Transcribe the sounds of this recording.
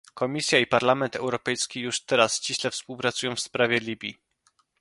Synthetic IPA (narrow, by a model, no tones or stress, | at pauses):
kɔmʲisʲjaipaɾlamɛnt̪ɛwɾɔpɛjskʲijuʂt̪ɛɾast͡ɕiɕlɛfspuwpɾat̪sujɔ̃w̃fspɾavʲjɛlʲibʲḭ